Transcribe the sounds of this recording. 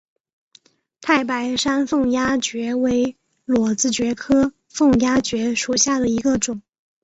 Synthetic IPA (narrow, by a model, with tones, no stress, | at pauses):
t̪ʰa˥˩ɪp̬a˧˥ɪʂa˥nfɤ˥˩ŋja˥t͡ɕɥɛ˧˥we˧˥ɪ | lwɔ˨˩t͡sɹ̩˥t͡ɕɥɛ˧˥kʰɤ˥ | fɤ˥˩ŋja˥t͡ɕɥɛ˧˥ʂu˨˩ɕja˥˩d̪ə˩i˧˥ɡə˧ʈ͡ʂʊ˨˩˦ŋ